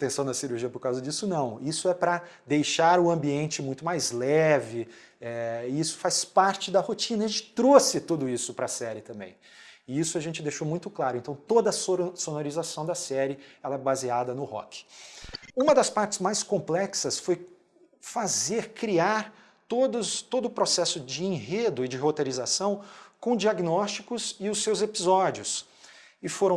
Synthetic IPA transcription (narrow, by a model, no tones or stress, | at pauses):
t̪ẽsɐ̃w̃nɐsiɾuɾʒiɐpoɾkawzɐd͡ʒisʊnɐ̃w̃isʊɛpɾɐd̪ejʃaɾʊɐ̃mbiẽnt͡ʃɪmũj̃t̪ʊmajzlɛvɪ | ɛɪisʊ̥faspaɾt͡ʃɪd̪ɐhot͡ʃĩnɐʒẽt͡ʃɪ̥t̪ɾosɪt̪ud̪ʊisʊpɾɐsɛɾɪt̪ɐ̃mbḛ̃j̃ | ɪisʊaʒẽnt͡ʃɪd̪ejʃomũj̃t̪ʊklaɾʊẽnt̪ɐ̃w̃t̪od̪ɐsosonoɾizasɐ̃w̃d̪ɐsɛɾɪɛlɐɛbaziad̪ɐnʊhɔ̰kɪ̥ | ũmɐd̪ɐspaɾt͡ʃɪ̥zmajskõmplɛksɐsfoj | fazeɾkɾiaɾ | t̪od̪ʊt̪od̪ʊpɾosɛsʊd͡ʒɪẽɦed̪ʊɪd͡ʒɪɦot̪eɾizasɐ̃w̃kõd͡ʒiaɡnɔst͡ʃikʊsɪʊsːewzepizɔd͡ʒʊs | ɪfoɾɐ̃